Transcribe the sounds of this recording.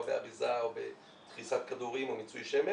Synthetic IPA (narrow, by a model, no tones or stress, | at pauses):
beaʁizaobe | t̪χisat̪̚kad̪uʁimomit͡sujʃeme